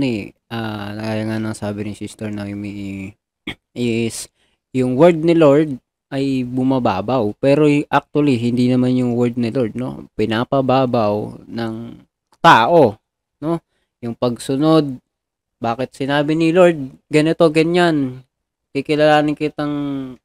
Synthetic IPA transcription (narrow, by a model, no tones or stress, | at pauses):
nɛʔanɐkajɐŋanɐŋsaːbɪnɪsist̪ɛɹnɐɪmiʔ | ɛs | jʊŋwɛɹd̪̚nɪloɹd̪̚ | ʔɐjbʊmɐba̰ːbɐwpɛːɾoʔak̚t̪ʊwɐliɦɪnd̪inɐmanjʊŋwɛɹd̪̚nɪloɹd̪̚no̞̰pɪnaːpɐbaːbɐwnɐŋ | t̪aːʔo̞ | no̞ | jʊŋpɐɡsʊno̞d̪̚ | baːkɪt̪̚sɪnaːbɪnɪloɹd̪̚ɡɐnɪt̪o̞ɡɐɲan | kɪkɪlɐlaːnɪkɪt̪ɐŋ